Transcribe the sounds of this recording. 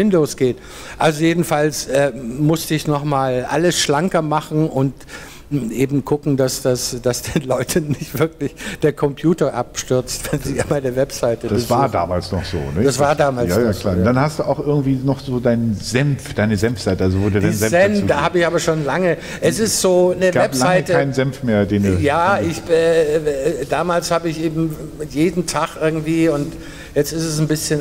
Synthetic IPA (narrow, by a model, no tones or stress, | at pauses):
vɪndoːsɡ̥eːt | ʔalzojeːdn̩falsʔɛːmʊstəɪçnɔχmaːlʔa̰ləsʃlaŋkɐmaχn̩ʊnt | ʔeːbm̩ɡʰʊkŋ̩d̥asd̥asd̥asd̥eːnlɔʏtʰənːɪçtv̥ɪɐklɪçd̥eːɐkʰɔmpʰjuːtɐʔapʃtʏɐt͡stv̥ɛnziːjamaɪnɐvɛpz̥aɪtəd̥asv̥aːda̰ːmaːlsnɔχz̥o̰ːnəd̥asv̥aːɐdaːmaːljsaːjalaːd̥anhast̚d̥uːaʊxʔɪɐɡŋ̩tv̥iːnɔχz̥oːdaɪnənzɛmfd̥aɪnəzɛmfz̥aɪtəʔalzovoːduːdaɪnzɛmɛnd̥aːhaːbəɪçʔaːbɐʃoːnlaŋə | ʔɛsɪstz̥oːnəvɡaːpzlaaɪkəaɪnənzɛmfmeːɐdeːnduːjaːɪçɛ | d̥aːmaːlshaːbəɪçʔeːbm̩jeːdn̩tʰaχʔɪɐɡŋ̩tv̥iːʊnt | jɛt͡stɪstɛs̬n̩bɪsçən